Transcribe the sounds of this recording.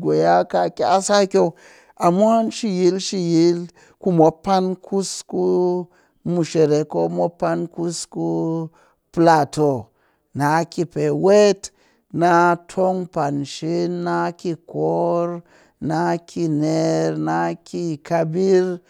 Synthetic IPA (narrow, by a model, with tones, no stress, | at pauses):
ɡo˨ja˦ka˧kʲa˦sa˦kʲo˧ | a˨m˦a˦nʃi˦ji˨˦lʃi˦˧ji˦l | ku˦mo˨˦pːa˦nkʰu˦sku˦ | mu˨ʃe˨ɾe˨ko˦mo˦pːa˦nku˦sku˦ | pla˦˨to˨ | na˨˦ki˦˧pe˨we˦t | na˦tʰo˦ŋpa˨nʃi˦na˦ki˧ko˦ɾ | na˦kʰi˧ne˨ɾna˦ki˦˧ka˧bi˦ɾ